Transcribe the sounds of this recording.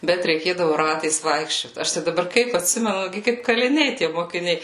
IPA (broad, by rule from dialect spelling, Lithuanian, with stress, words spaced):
ˈbʲɛt rʲɛɪˈkʲeːdɐʋʊ ˈrɑːtɐɪs ˈʋɐɪkʃʲt͡ʃʲoːt ˈɐʃ tɐɪ dɐˈbɐr ˈkɐɪp ɐtʲˈsʲɪmʲɛnʊ ˈɡʲɪ kɐɪp kɐlʲɪˈnʲɛɪ tʲiɛ moːkʲɪˈnʲɛɪ